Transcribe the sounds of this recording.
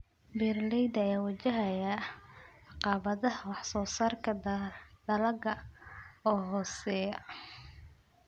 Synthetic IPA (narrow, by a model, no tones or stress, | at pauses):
bɛrlɛjd̪ɐɛːwɐt͡ʃɐɦɐjɐ | ɑqɑːβɐðɐɦwɑħsɔːsaːrkʰɐd̪̥ɐlɐɡɐ | ɔːɦɔːsɛːjɐ